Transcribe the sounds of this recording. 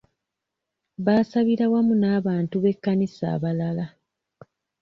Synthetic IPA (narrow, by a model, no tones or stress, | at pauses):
βaːsaβiɾawamunaːβaːntuβe̞kːanisa̰ːβalala